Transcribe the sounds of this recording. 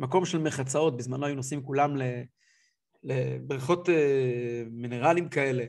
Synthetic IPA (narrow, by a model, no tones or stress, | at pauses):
mako̞mʃelmeχat͡sao̞t̪̚bizmanoajunosimkulamle | lḛbʁiχo̞t̪e | mine̞ʁalimkae̞le̞